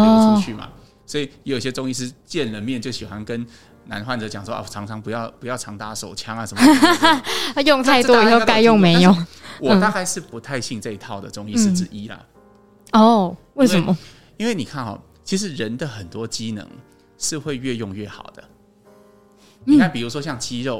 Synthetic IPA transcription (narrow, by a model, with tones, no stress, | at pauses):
ɔ˥t͡ɕʰy˥˩ma̰˨˩ | swɔ˧˥i˨˩jjɛ˧˦jo˨˩i˦˩ɕʲɛ˧t͡sʊ˥ŋi˥˧ʂ̬ɻ̩˥t͡ɕjɛ˥˨˩nlə˩mjɛ˥˨nt͡ɕjo˥˩ʊɕi˨˩xwa˦nkə˦n | na̰˧˥nxwa˥˩nʈ͡ʂɤ˨˧˦t͡ɕjɑ̰˨˩ŋʂwɔ˥ʔa̰˨˩ʈ͡ʂʰɑ˧˥ŋt͡sʰɑ˧˥ŋpu˧˥jɑ˥˩ʊpu˧˦jɑ˥˩ʊʈ͡ʂʰɑ˧˥ŋt̪a˧˥ʂo˨˩ʊt͡ɕʰjɑ˥ŋa˨˩ə˧˦m | jʊ˥˧ŋt̪ʰa˥˧ɪt̪wɔ˦˥i˨˩xo˥˩ʊka˥ɪjʊ˥˨˩ŋme˧˦ɪjo˨˩wɔ˨˩˥t̪a˥˧ka˥˧ɪʂɻ̩˥˩pu˧˦t̪ʰa˥˧ɪɕi˥˧ŋʈ͡ʂa˥˧i˧˥t̪ʰɑ˥˩ʊd̪ə̰˩ʈ͡ʂʊ˥ŋi˥ʂ̩˥˧t͡s̩˥˩i˦lɐ̰˨ | ɔ˥˩we˥˩ɪə˨nmə˦ | i˥nwe˥˩ɪni˨˩kʰa˥˩nxɑ̰˨˩ | t͡ɕʰi˧˥ʂ̬ɻ̩˧˦ɻə˧˦nd̪ə˨xə˨˩nt̪wɔ˦t͡ɕi˦nə̰˧˦ŋ | ʂɻ̩˥˧xwe˥˧ɪɥɛ˥˧jʊ˥˧ŋɥɛ˥˩xɑ˨˩ʊd̪̥ə̰˦ | i˥ŋkʰa˥˩npi˨˩ɻu˧˥ʂwɔ˥ɕjɑ˥˩ŋt͡ɕi˦˥ɻo˥˩ʊ